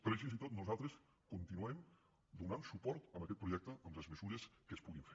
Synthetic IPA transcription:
pɾefinzit̪ot̪nuzalˠt̪ɾəs | kunt̪inuem | d̪unansupɔɾt̪əmbəkɛt̪̚pɾuʒɛk̚t̪əʔəmləzməzuɾəskəspuɣiɱfeɾ

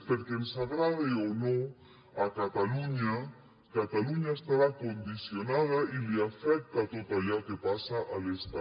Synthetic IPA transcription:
peɾkensaɣɾaðeonõ | akat̪aluɲa | kat̪aluɲaest̪aɾakond̪isjonaðailiafɛk̚t̪at̪ot̪aʎakepasaʔalest̪a

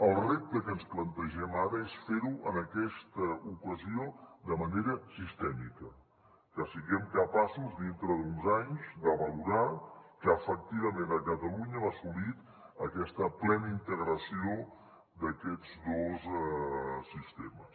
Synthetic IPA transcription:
əlˠrep̚t̪əkənsplənt̪əʒɛmaɾəesfeɾuʔə̰nəkɛst̪əukəziod̪əməneɾəsist̪ɛmikə | kəsiɣɛmkəpasuzd̪int̪ɾəðunzaɲzd̪əβəluɾakəəfək̚t̪iβəmenəkət̪əluɲəasulit̪ | əkɛst̪əplɛnəint̪əɣɾəsio | d̪əkɛd͡zd̪oz | sist̪eməs

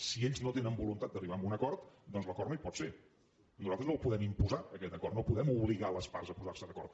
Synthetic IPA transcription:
sieʎznot̪enəmbulunt̪at̪d̪əriβambunəkɔɾt̪d̪ɔnzləkɔrnəipɔt̪fe | nuzalˠt̪ɾznowpuðɛmimpuzaəkɛt̪əkɔɾrt̪nopuðɛmuβliɣaləspaɾzəpuzarsəðəkɔ̰ɾt̪

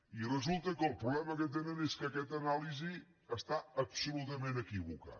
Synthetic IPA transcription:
irəzulˠt̪əkəːlˠpɾuβlɛməkət̪̬enəneskəkɛt̪ənalizi | əst̪aəpsulut̪əmenəkiβuka̰

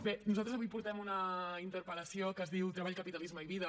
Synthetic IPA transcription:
benuzalt̪ɾəzəβujpuɾt̪ɛmunəint̪əɾpələsiokəzðiwt̪ɾəβaʎkəpit̪ɐlizməiβiðə

